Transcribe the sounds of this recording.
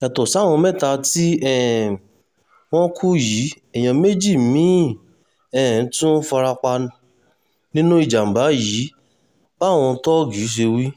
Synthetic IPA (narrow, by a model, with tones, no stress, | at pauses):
ɛ˨tɔ˨sa˨˦˨w̃ɔ̃˧mɛ̃˦˨ta˧ti˦ɛ˦˨ | w̃ɔ̃˦kʰu˦ji˨˦ | ɛ˨j̃ã˧me˦d͡ʒi˦˨mĩ˨˦ | ɛ˦˨n̩˦tũ˦fa˧ɾa˧k͡pa˧ | nĩ˦nũ˦i˨d͡ʒa˨m̩˨ba˨˦ji˨˦ | ba˦˨w̃ɔ̃˧tɔ˦˨ɡi˨˦ʃ̬e˧wi˦